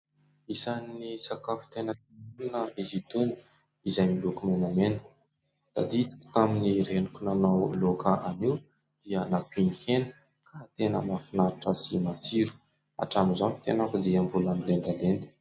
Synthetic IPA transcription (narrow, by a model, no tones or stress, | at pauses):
isanːisakafu̥t̪enət̪imulnəizit̪uni̥ | izajmilukumenamenə̥ | d̪̥a̰d̪it̪aminiɾenukʲunanawlokaʔaniw | d̪̥iənapinihenə̥ | kʰat̪enə̰mafinaɾaʈ͡ʂəsimat͡siɾu̥ | a̰ʈ͡ʂamizani̥t̪enakud̪iambulanilend̪alend̪i̥